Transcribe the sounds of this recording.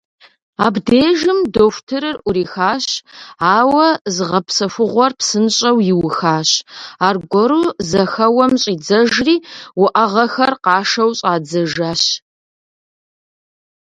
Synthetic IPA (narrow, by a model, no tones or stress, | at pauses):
aːbdeːʒɨmdofʷtʰɨɾɨrʔʷʊɾiːxaːɕaːwɐzɨʁɐpsɐfʊʁʷɔrpsɨnɕʼɐwjɪwʊxaːɕaːrɡʷɔɾuzɐxɐwɐmɕʼiːd͡zɐʒriːwʊʔɐʁɐxɐrqɑːʂɐwɕʼaːd͡zɐʒaːɕ